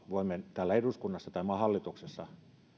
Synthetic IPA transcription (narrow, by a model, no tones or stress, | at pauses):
ʋoˑimːent̪æːlːæeruskunːɑsːɑt̪ɑimɑhɑlːit̪uksesːɑ